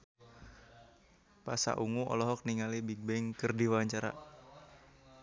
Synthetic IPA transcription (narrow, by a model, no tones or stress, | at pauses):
pasa̰ʔuŋuʔɔ̰lɔɦɔk̚niŋalibiɡ̚bɛŋkərdiwaɲt͡ʃaɾa̰